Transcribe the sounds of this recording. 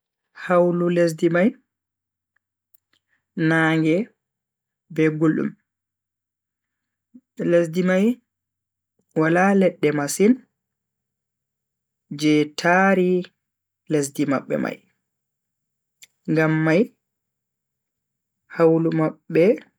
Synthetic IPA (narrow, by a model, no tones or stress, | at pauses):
hawlules̬dimaj | naːŋɡɛ | bɛɡulṵm | lesdimaj | walalɛɗːɛmasin | d͡ʒɛtʰaɾi | les̬dimaɓːɛ̰ma̰j | ŋɡamːaj | hawlumaɓːɛ